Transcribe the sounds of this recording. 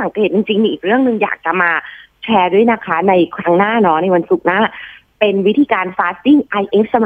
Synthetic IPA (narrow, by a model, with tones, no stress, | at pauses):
sa˩˦keː˨˩t̪̚t͡ɕi˧ŋt͡ɕi˧ŋmiː˧ʔiː˨˩ɾɯ˥˩əŋnɯ˧ŋja̰ː˨˩k̚t͡ɕa˨˩maː˧ | t͡ɕʰɛː˧du˦˥˩əjna˦˥kʰa˦˥na˧jkʰɾa˦˥ŋnaː˥˩nɔ˦˥na˧jwa˧nsu˨˩k̚naː˥˩ | pe˧nwi˦˥t̪ʰiː˧kaː˧nfaː˦˥si˥˩ŋʔa˧jʔe˦˥p̚sa˧m˧